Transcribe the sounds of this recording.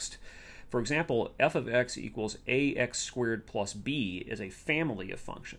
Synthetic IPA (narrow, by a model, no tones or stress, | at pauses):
st | fə˞ɨɡzæ̃mpl̩ˠɛfʌvɛksḭkwl̩ˠzʔeɪʔɛkskwɛɹd̚pʰl̥ʌsb̥iɪ̰zɨfæ̃ml̩ˠiʌ̰v̥fʌ̰̃ŋkʃɨ̃n